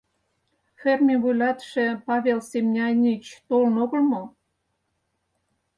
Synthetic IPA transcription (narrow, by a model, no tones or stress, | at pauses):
fermʲiβujlʲɑt̪ʃĕpɑβʲelsemnʲɑnʲit͡ɕt̪olnoɣə̆lmo